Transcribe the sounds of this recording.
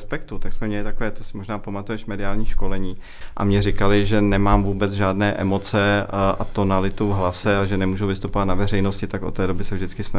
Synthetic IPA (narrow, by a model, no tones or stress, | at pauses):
spɛk̚t̪ut̪aksmɛmɲɛlɪt̪akovɛːt̪osɪ̥moʒnaːpomat̪ujɛʃmɛdɪaːlɲiːʃko̞lɛɲiː | ʔa̰mɲɛɾɪkalɪʒɛnɛmaːmvuːbɛt͡sʒaːdnɛːʔɛmo̞t͡sɛʔa̰t̪o̞nalɪt̪uvɦlasɛaʒɛnɛmuːʒuvɪst̪upovat̪navɛrɛjnoscɪt̪ako̞t̪ːɛːdo̞bɪsɛvʒdɪt͡skɪsna